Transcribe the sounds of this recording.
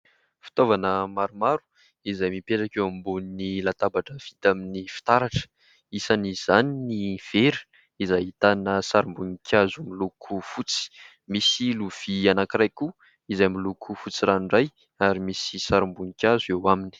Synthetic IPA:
fi̥t̪ovanəmaɾumaɾu̥ | izajmipeʈ͡ʂakewambunnilat̪abaʈ͡ʂəv̥it̪aminifi̥t̪aɾaʈ͡ʂə̥ | isaniz̥aniniv̥eɾu̥ | izajit̪anəsaɾimbunikʲʰazumilukʰufut͡si̥ | misiluv̥ianakirajku | izajmilukʰufut͡siɾaɳɖ͡ʐaj | aɾimisisaɾimbunikʲazuewamini̥

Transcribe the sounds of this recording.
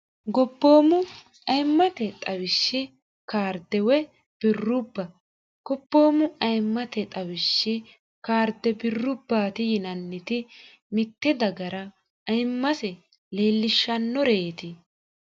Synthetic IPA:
ɡɔbːo̞ːmʊ | ɐjmːɐt̪ɛt̪ʼɐwɪʃːɪ | kaːɾd̪ɛwɛ | b̥ɪrːʊbːɐ | ɡ̥ɔbːo̞ːmʊɐjmːɐt̪ɛt̪ʼɐwɪʃːɪ | kaːɾd̪ɛbɪrːʊbːaːt̪ɪjɪnɐnːɪt̪ɪ | mɪt̪ːɛd̪ɐɡɐɾɐ | ɐjmːɐsɛ | le̞ːlːɪʃːɐnːɔɾe̞ːt̪ɪ

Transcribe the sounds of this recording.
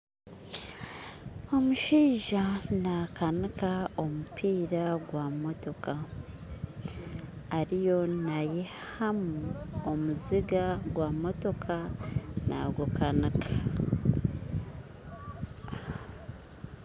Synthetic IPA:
o̞muʃiːʒanakanikao̞mupʰiːɾaɡwamo̞to̞ka | ɾijo̞naje | hhamuomuziɡaɡwamo̞to̞kʰana̰ɡukanikʰḁ

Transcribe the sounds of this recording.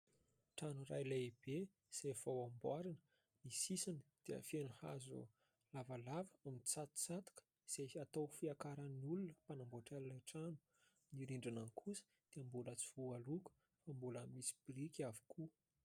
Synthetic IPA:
ʈ͡ʂanura̰jlaib̥e | z̥ajv̥awambwaɾinə̥ | nisisanəd̪̥eə̰fenəha̰zṵ | lavalavəamit͡sat̪t͡sat̪u̥kə̥ | z̥ejat̪owfiakaɾənnulunəpanamboʈ͡ʂalinaʈ͡ʂanu̥ | niɾiɳɖ͡ʐanankʰusə̥ | d̪̥eambulət͡sivualuku̥ | fambuləmisi̥b̥irikʲavi̥kʰu

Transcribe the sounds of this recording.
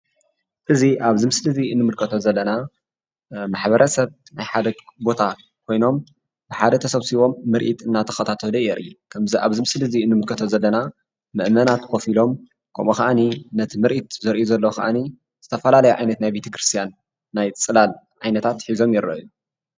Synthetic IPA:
ʔɨziʔaβzimɨsɨlɨziɨnːɨmɨlkʰɐt̪ʰozɐlːɐna | maħbɐɾʔɐsɐβnajħad̪ɐbo̞t̪ʰa | kʰo̞jno̞m | bɨħad̪ɐt̪ʰɐsɐβsiβo̞mːɨɾʔit̪ɨnːat̪ʰɐ̥xɐt̪ʰat̪ʰɐlujɛɾʔukʰɐmziʔaβzɨmɨsɨlɨziɨnːɨmɨlkʰɐt̪ʰozɐlːɐna | mɨʔmɐnat̪kʰo̞filo̞m | kʰɐ̰mʔoxɐʔaninɐt̪ʰimɨɾʔit̪zɨɾʔjuzɐlːɐxɐ̰ʔa̰ni | z̥ɨt̪ʰɐfɐlalɐjuʕa̰jnɐt̪najbet̪ʰɐ̥kɾɨst̪ʰijanː | ajt͡sʼɨlal | ʕajnɐt̪ʰat̪ħizo̞mjɪɾɐ̰ʔju

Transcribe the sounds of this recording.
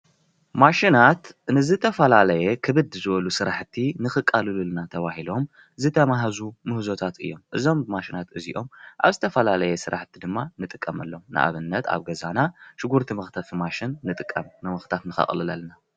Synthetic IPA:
maʃinat̪nɨzɨt̪ʰɐfɐlalɐjekʰɨβɨd̪ɨzɨβɐlusɨɾaħt̪ʰːinɨxɨkʼːalɨlulnat̪ʰɐβahilo̞m | zɨt̪ʰɐmaɦazumɨhzo̞t̪ʰat̪ɨ̰jːo̞̰mʔɨzo̞mmaʃinat̪ɨzḭʔo̞mʔa̰βzɨt̪ʰɐfɐlalɐjesɨɾʔaħt̪ʰid̪ɨmːanɨt̪ʼɨkʼːɐmɐlːomnʔɨ̰ʔa̰βɨnːɐt̪a̰βɡɐzanaʃɪɡuɾt̪ʰimɨxt̪ʰafimaʃinːɨt̪ʼɨkʼːɐ̰mnɨmɨxt̪ʰat̪nɨxɐ̰χʼlɨla̰lna

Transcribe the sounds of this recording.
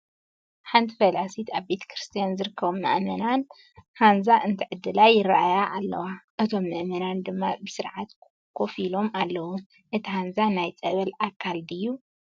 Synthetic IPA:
ħant̪ʰifɐlasit̪aβbe̞t̪ʰɐ̥kɾɨst̪ʰijanzɨɾɨkʰːɐβumːɐ̰ʔmɐnan | hanzaʔɨnt̪ʰiʕɨd̪ːɨlajːɪrːaʔajaʔːlːɐ̰waʔɨt̪ʰo̞mːɨʔmɐnand̪ɨmːabɨsɨɾʕat̪ | kʰo̞filo̞malːɐwu | ʔɨt̪ʰihanzanajt͡sʼɐβɐlakʰːald̪ɨjːu

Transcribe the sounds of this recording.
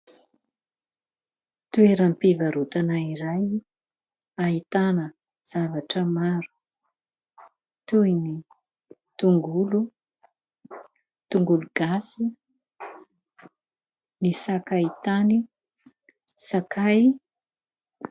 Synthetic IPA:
t̪ueɾampivaɾut̪anaiɾaj | ait̪anə | z̥avaʈ͡ʂəmaɾu̥ | t̪uini | t̪uŋɡulu | t̪uŋɡuluɡ̥asi | nisakait̪ani | sakaj

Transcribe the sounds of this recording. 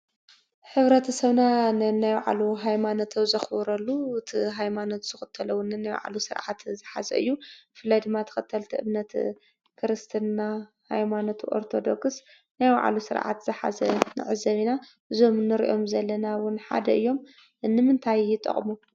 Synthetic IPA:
ħɨβɾɐt̪ʰɐsɐβnanajwaʕa̰luɦajmanot̪ʰɐwzɐxβɾɐlːuɨt̪ʰiɦajmano̞t̪z̥ɨxɨt̪ʰːɐlɐwʊnɨnajwa̰ʕ̰lusɨɾʕa̰t̪zɨħa̰zɐ̰ʔɨjːubɨfɨlːajd̪ɨmːat̪ʰɐ̥xɐt̪ʰːɐlt̪ʰiʔɨβnɐt̪ | kʰɨɾɨst̪ʰɨnna | ha̰jmanot̪ʰʔo̞̰ɾt̪ʰo̞d̪oks | najwa̰ʕa̰lusɨ̰ɾʕa̰t̪z̥ɨħa̰zɐ̰nɨ̰ʕɨzɐβinaʔɨzo̞mnɨɾḭʔo̞mzɐlːɐnawʊnħa̰d̪ɐʔɨjːo̞m | nɨmɨnt̪ʰajːɪt̪ʼːɐ̰χʼmu

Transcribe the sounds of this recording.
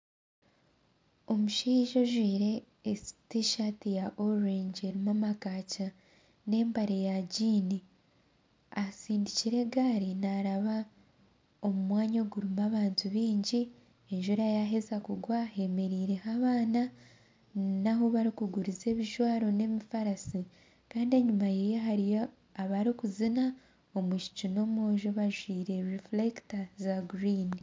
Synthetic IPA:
o̞muʃiʒo̞ʒwiːɾe̞ː | si̥tiʃatijaʔoɾeɲd͡ʒeɾimamakaːca | ne̞ːmbaɾejaɟiːni | asiːndiciɾe̞ɡaːɾinaɾaβa | o̞mumwaːɲo̞ɡuɾumaβaːntʰuβiːɲɟi | eɲʒuɾajaɦe̞zakuɡwahe̞me̞ɾiːɾe̞haβaːna | naɦoβaɾikuɡuɾize̞ːβiʒwaːɾo̞ne̞mifaɾasi | kaːndie̞ɲumajejeɦaɾijo | aβaɾikuzina | o̞muʃi̥t͡ʃuno̞moːʒo̞βaʒwiːɾe̞ɾiflektazaɡɾiːni

